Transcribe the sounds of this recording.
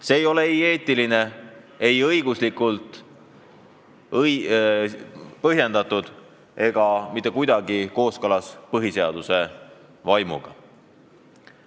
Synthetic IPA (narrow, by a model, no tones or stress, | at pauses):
se̞ːjo̞leje̞ːt̪ˑiline̞ | e̞jɤjɡ̥uslikˑult̪ˑ | j | pɤɦjend̪ɑt̪ːˑud̪̥ | e̞ɡ̥ɑmit̪ːˑe̞kujd̪̥ɑɡiko̞ːskɤlɑspɤɦise̞ɑd̪̥use̞ | vɑjmṵɡ̥ɑ̰